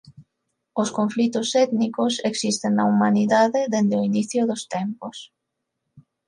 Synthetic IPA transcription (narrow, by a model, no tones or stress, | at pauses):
oskoɱflit̪ʊsɛt̪nikoseksist̪eŋnaumaniðaðɪðend̪eoiniθjʊðost̪ɛmpos